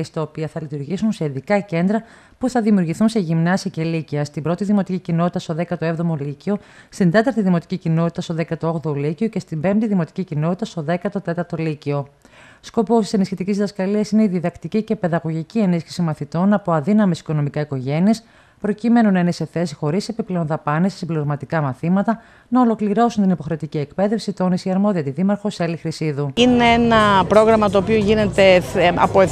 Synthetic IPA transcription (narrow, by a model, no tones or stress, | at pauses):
est̪ɐopiɐθɐlit̪uɾʝisunse̞iðikɐce̞nd̪ɾɐ | puθɐðimiuɾʝiθunse̞ʝimnɐsiɐce̞liciɐst̪imbɾo̞t̪iðimo̞t̪icicino̞t̪i̥t̪ɐst̪o̞ðe̞kɐt̪o̞e̞vðo̞molicio̞ | st̪ind̪e̞t̪ɐɾt̪iðimo̞t̪i̥cicinot̪it̪ɐst̪oðe̞kɐt̪ooɣðolicio̞ce̞st̪imbe̞mpt̪iðimo̞t̪i̥cicino̞t̪it̪ɐst̪o̞ðe̞kɐt̪o̞t̪e̞t̪ɐɾt̪o̞licio̞ | sko̞po̞st̪i̥se̞nisçit̪icizðɐskɐliɐsine̞iðiðɐkt̪icice̞pe̞ðɐɣo̞ʝicie̞nisçi̥simɐθit̪o̞nɐpo̞ɐðinɐmesi̥ko̞no̞mikɐiko̞ʝe̞nies | pɾo̞cime̞nunɐinese̞θe̞si̥xo̞ɾise̞piple̞o̞nðɐpɐnessibleoɾmɐt̪ikɐmɐθimɐt̪ɐ | nɐo̞lo̞kliɾo̞sunt̪inipo̞xɾe̞ot̪icie̞kpe̞ðe̞fsit̪o̞nisiɐɾmo̞ðiɐt̪iðimɐɾxo̞selixɾisiðuineenɐpɾo̞ɣɾɐmɐt̪o̞ːpioʝine̞t̪e̞ɐ̰po